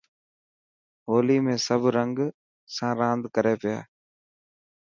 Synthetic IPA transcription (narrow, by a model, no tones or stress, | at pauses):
oːliːmẽːsəbʱɾəŋɡ | sãːɾãːnd̪kəɾeːpɪja̰ː